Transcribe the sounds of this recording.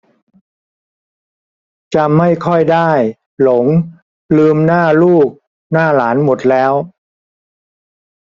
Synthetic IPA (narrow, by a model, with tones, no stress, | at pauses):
t͡ɕa˧ma˥˩jkʰɔ˥˩jdaː˥˩j | lo˩˦ŋ | lɯː˧mnaː˥˩luː˥˩k̚ | naː˥˩laː˩˦nmo˨˩t̪̚lɛː˦˥w